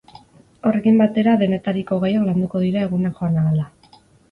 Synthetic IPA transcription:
o̞re̞kimbat̪e̞ɾaðe̞ne̞t̪aɾiko̞ɣajakland̪uko̞ðiɾae̞ɣ̞unakxo̞anaɣala

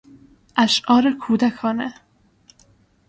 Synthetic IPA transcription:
ʔæʃʔɒːɾekʰuːd̪ækʰɒːne

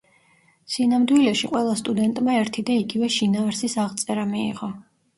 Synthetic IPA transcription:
sinamd̪wilɛʃiqʼwɛlˠast̪ʼud̪ɛnt̪ʼmaɛɾt̪ʰid̪aiɡivɛʃinaːɾsisaʁt̪sʼɛɾamḭːʁɔ

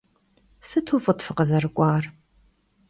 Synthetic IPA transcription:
sɨtʰuːfʼɨtfɨqɐzɐɾɨkʷʼɑːr

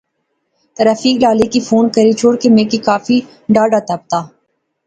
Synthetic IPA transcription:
t̪əɾəfiːklaːlikifuːnkəɾit͡ʃʰoːɽkemẽːkikaːfi | ɖaːɖaːt̪ɐp̚t̪aː

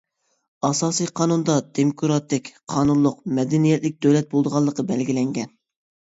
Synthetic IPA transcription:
ɑsɑːsɨjqʰɑːnund̪ɑd̪ʰemkʰuɾɑt̪ɪkʲqʰɑːnunlˠʊqmɛd̪ɛnijɛt̪lɪk̚ʲd̪øwlɛt̪̚bolˠd̪əʁɑlˠːəqɑbɛlɡʲilɛŋɡʲɛn

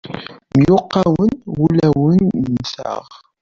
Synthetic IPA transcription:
mjʊqːawənwulæwənːsæ̰ʁ

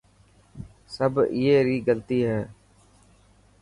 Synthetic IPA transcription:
səbɪjeːɾiːɡəlt̪iːɦɛː

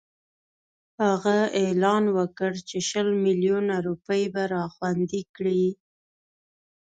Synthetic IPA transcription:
haɣaelɑnwəkəɽt͡ʃeʃəlmiljunaɾupəjbaɾɑxwand̪ikɽi

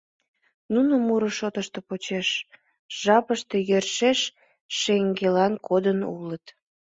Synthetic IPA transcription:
nunəmuɾəʃot̪əʃt̪e̽pot͡ɕeʃ | ʒ̥ɑpəʃt̪ejørʃeʃ | ʃeŋɡelɑnkʰod̪ənṵlət̪

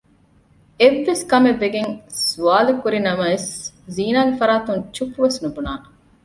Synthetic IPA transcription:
eʋːeskɐmeʋːeɡeŋsuaːlukuɾinɐmɐes | ziːnaːɡefɐɾaːt̪uŋt͡ʃupuʋesnubunaːn

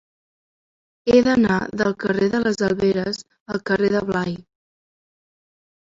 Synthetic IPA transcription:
eðəna̰ðəlˠkəreðələzəlˠβeɾəz | əlˠkəreðəβlaj

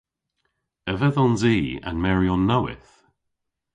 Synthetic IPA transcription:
əvəðɔnziːa̰nmɛɹiɔnːɔwɪ̰θ

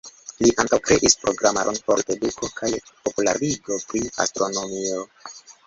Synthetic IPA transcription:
liʔaŋkawkɾeʔispɾo̞ɡɾamaɾʔonpo̞ɾeduko̞kʰajpo̞pula̰ɾiɡo̞pɾia̰stɾo̞no̞mio̞

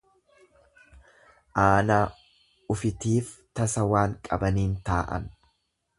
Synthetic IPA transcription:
ʔaːnaː | ʊfɪt̪iːft̪ɐsɐwaːŋkʼɐbɐniːnt̪aːʔɐ̰n

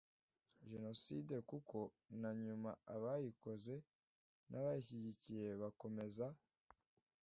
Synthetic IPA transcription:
ʒe̞no̞side̞kuko̞ | naɲumaaβajiko̞ze̞ | nʔaβajiçiɟicije̞βako̞me̞za

